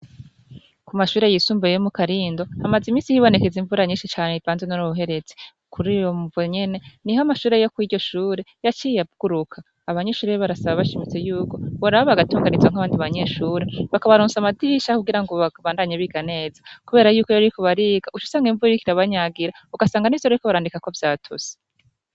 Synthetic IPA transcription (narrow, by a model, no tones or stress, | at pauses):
kumaʃuːɾe̞jisuːmbejomukaɾiːndo̞hamazimiːsihiβo̞ne̞keziɱvuɾaɲiːnʃit͡ʃaːneitaːnzenonuβuɦe̞ɾe̞t͡se̥ukʰuɾijovoɲe̞ne̞nihamaʃuːɾe̞jo̞kwiːdɟo̞ʃuːɾe̞jat͡ʃijaɡ̥uɾukʰaːβaɲe̞ʃuːɾejβaɾasaβaβaʃimit͡se̞juːko̞βoɾaβoβaɡatuːŋɡanizwaŋaβaːndiβaɲe̞ʃuːɾe̞βakaβaɾuːnsamadiʃakuɡiɾaŋɡo̞βaβaːndaɲeβiɡane̞ːzakuβeːɾajuːko̞jaɾikoβaɾiːɡ̥aut͡ʃu̥saːŋɡiɱvuɾɾikiɾaβaɲaɡiɾa | uɡasaːŋɡanezaɾaɾikoβaɾaːndikako̞vjaːtʰṵse̥